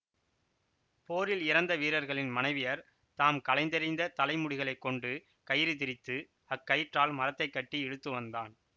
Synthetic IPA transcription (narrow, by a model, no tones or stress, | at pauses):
poːɾɪlɪɾɐnd̪ɐʋiːɾɐɾɣɐɭɪnmɐnɐɪʋɪjɐɾ | t̪aːmkɐlɐɪnd̪ɐɾɪnd̪ɐt̪ɐlɐɪmʊɽɪɣɐɭɐɪkːɔɳɖɯ | kɐjɪɾit̪ɪɾɪt̪ːɯ | ɐkːɐjɪʈraːlmɐɾɐt̪ːɐɪkːɐʈːiɛɽɯt̪ːɯʋɐnd̪aːn